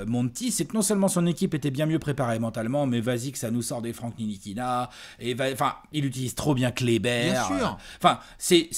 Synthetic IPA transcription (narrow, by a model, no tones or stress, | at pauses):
mɔ̃t̪isɛknɔ̃sœlmɑ̃sɔ̃nekʲipet̪ɛbjɛ̃mjøpχepaʁemɑ̃t̪almɑ̃mɛvazikə̥sanusɔʁd̪efχɑ̃kninikʲinaevaɑ̃fɛ̃ilyt̪iliz̥t̪χobjɛ̃klebɛjɛ̃ʁyːɑ̃fɛ̃ | sɛ